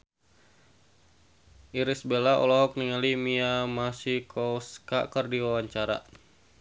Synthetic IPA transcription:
ʔiɾisbelaɔ̰lɔɦɔk̚niŋalimiamasikʰɔska̰kərdiwawaɲt͡ʃaɾa̰

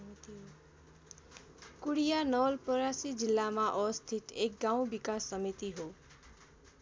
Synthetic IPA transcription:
kuɽijanʌlpʌɾasid͡zilːamaʔʌst̪ʰit̪ek̚ɡaw̃bikasːʌmit̪iɦo

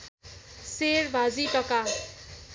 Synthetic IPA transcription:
seɾbʱad͡ziʈʌka

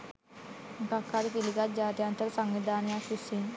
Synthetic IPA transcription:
ɡakːaɾik̪iliɡat̪̚d͡ʒaːt̪jant̪əɾsaŋɡid̪anjasusin

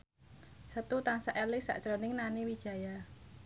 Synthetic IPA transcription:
sət̪ut̪aŋsaʔɛlɪsa̰ʔt͡ʃɾɔnɪŋnanewid̥ʒ̥a̤ja

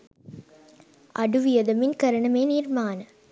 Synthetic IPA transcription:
ʔɐɽɯʋɪjɐðɐmɪnkɐɾɐɳɐmeːniːɾmaːnɐ

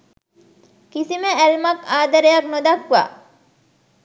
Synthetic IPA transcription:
kisimeælmɐkaːd̪ɐɾejɐknod̪ɐkʋa̰ː

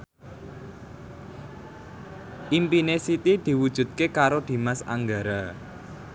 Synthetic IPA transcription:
ʔimpinesit̪id̪̥i̤wud̥ʒ̥ṳt̪̚kekaɾod̪̥i̤masa̰ŋɡaɾa

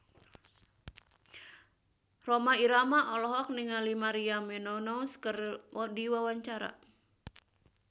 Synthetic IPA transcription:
romaiɾamaʔɔlɔɦɔk̚niŋalimaɾiamɛnɔnɔwskərɔdiwawaɲt͡ʃaɾa̰

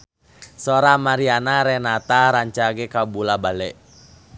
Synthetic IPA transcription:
sɔɾamaɾianaɾɛnat̪aɾaɲt͡ʃaɡɛkabulabalɛʔ

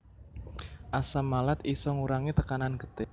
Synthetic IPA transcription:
ʔasamalat̪isɔŋuɾaŋit̪əkananɡət̪ɪ

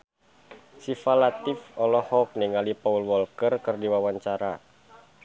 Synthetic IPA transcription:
sifalat̪ɪfɔlɔhɔk̚niŋalipaulwɔlkərkərdiwawaɲt͡ʃaɾa

